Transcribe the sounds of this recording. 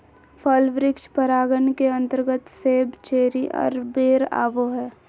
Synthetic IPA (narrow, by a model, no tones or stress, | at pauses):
fʰəlʋɾɪkʃpəɾaːɡənkeə̃nt̪əɾɡət̪seːbt͡ʃeːɾiʔɔ̰ːɾbeːɾa̰ːʋoɦɛː